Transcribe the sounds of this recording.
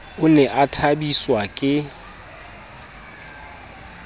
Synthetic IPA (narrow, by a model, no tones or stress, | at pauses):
ʊnɛʔatʰabiswakʼɪ